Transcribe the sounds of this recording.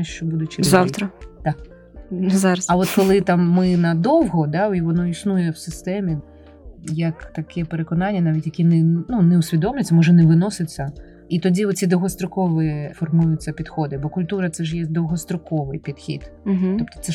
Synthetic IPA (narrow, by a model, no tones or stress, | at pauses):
ʃt͡ʃɔbud̪ʊt͡ʃɪzawt̪ɾɐt̪ɑk | zɑɾɐsɐʋɔt̪kɔlˠɪt̪ɑmːɪnɐd̪ɔwɦɔd̪ɑiʋɔnɔisnujɛwsɪst̪ɛmʲi | jɐkt̪ɐkʰɛpeɾekɔnɑnʲːɐnɑʋʲitʲjɐkʲinɛnunɛʊsʲʋʲid̪ɔmlʲɪt͡sʲːɐmɔʒɛnɛʋɪnɔsɪt͡sʲːɐ | it̪ɔdʲiɔt̪t͡sʲid̪ɔwɦɔst̪ɾɔkɔʋɪfɔrmujʊt͡sʲːɐpʲid̪xɔd̪ɪbɔkʊlʲt̪uɾɐt̪sɛʒjɛd̪ɔwɦɔst̪ɾɔkɔʋɪjpʲid̪xʲḭd̪̩ɦ̩t̪ɔp̚t̪ɔ̥t̪sɛ